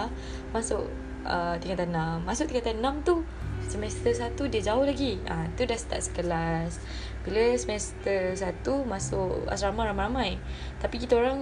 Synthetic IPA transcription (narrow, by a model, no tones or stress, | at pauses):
masʊʔ | ət̪iŋat̪anamːasʊʔ̚t̪iŋkat̪anãmt̪u | səmɛst̪əsat̪udiəd͡ʒaʊhlaɡiat̪udahsə̥t̪a̰ʔsə̥kəlas | biləsəmɛst̪əs̬at̪umasʊ̰ʔa̰sɾamaɾamaɾamaj | t̪apikit̪aoɾaŋ